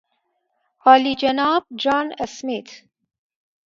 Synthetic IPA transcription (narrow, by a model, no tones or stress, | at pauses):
hɑːlid͡ʒɐnɑːb̚d͡ʒɑːnəsmit̪